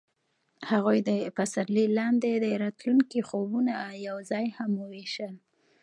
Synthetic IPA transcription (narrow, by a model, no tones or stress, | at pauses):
haɣujd̪əpasaɾlilɑnd̪ed̪əɾɑt̪luŋkixobunajawzɑjhamoweʃəl